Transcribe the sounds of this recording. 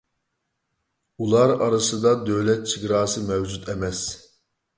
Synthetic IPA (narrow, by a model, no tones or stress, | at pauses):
ulˠɑɾɑɾɨsɨd̪ɑd̪øwlɛt̪̚t͡ʃʰɨɡɾɑːsɨmɛvd͡ʒut̪ʰɛmɛs